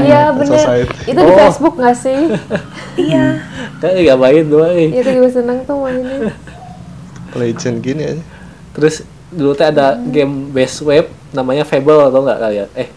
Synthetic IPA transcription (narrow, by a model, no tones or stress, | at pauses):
jabənəaɪt̪itt̪uifesbʊk̚ŋasɪh | jaŋɡaʔiɡabaɪt̪̚d̪uaɪjat̪udibasənəŋt̪ʊhmaɪn | led͡ʒənɡinija | t̪əɾʊs | dulut̪iadaɡɛmbɛswɛp̚ | namaɲafebəlt̪ɔŋɡa̰ʔkalijaɛh